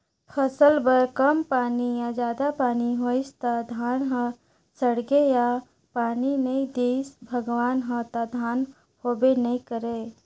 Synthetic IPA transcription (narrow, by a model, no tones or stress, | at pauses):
pʰəsəlbəɾkəmpaːnijad͡ʒaːd̪apaːniɦoɪst̪ad̪ʱaːnɦə̃ | səɽɡeja | paːninəĩd̪iːsbʱəɡʋaːnɦə̃t̪ad̪ʱaːn | hoːbenəĩkəɾeː